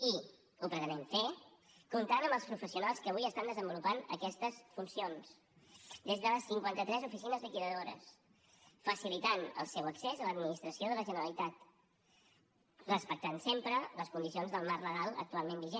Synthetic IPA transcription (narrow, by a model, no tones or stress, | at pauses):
i | upɾət̪ənɛɱfe | kunt̪anəmbəlˠspɾufəsiunalˠskəβujiəst̪and̪əzəmbulupanə̰kɛst̪əsfunsions | d̪ezðələsːiŋkwant̪ət̪ɾɛzufisinəzlikiðəðoɾə̰s | fəsilit̪anə̰lˠsɛwəksezələd̪minist̪ɾəsioðələʒənəɾəlit̪at̪ | rəspək̚t̪ansempɾələskund̪isionzðəlˠmarləɣalˠə̰k̚t̪ualˠmẽnbiʒe